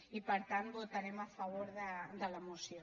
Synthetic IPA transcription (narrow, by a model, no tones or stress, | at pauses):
ipaɾt̪ant̪ot̪aɾemafaβoɾðəd̪əlamusjo